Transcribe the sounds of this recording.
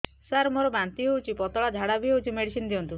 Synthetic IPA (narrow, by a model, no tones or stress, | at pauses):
saɾmoɾɔbant̪iɔut͡ʃʰipɔt̪ɔɭad͡ʒʱaɽabiout͡ʃʰimeɽisinɔd̪iɔnt̪u